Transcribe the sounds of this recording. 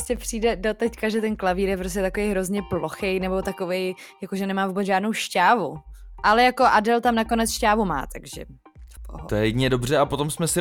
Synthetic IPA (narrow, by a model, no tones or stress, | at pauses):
scɛpr̥iːdɛdot̪ɛckaʒɛt̪ɛnklaviːɾjɛp̬ɾos̬cɛt̪akovejɦɾo̞zɲɛploxejnɛbo̞t̪ako̞vej | jakoʒɛnɛmaːvuːbɛt͡sʒaːdno̞wʃcaːvuʔalɛjako̞ʔadɛlt̪amnako̞nɛt͡sʃcaːvuma̰ːt̪aɡʒɛ̰ | t̪ojɛjɛɲɛdobr̝ɛapot̪o̞msmɛsɪ